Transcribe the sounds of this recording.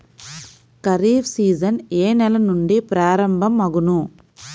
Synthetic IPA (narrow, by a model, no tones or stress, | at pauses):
kɐɾiːbsiːd͡ʒɐneːnɛlɐnuɳɖipɾaːɾɐmbʱɐmːɐɡunu